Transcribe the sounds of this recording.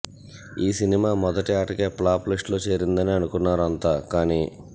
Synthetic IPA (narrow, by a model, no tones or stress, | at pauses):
iːsinimaːmɔd̪ɐʈaːʈɐkeːplaːpliʂʈloːt͡ʃe̞ːɾind̪ɐniɐnukunːaːɾuɐnt̪aːkaːniː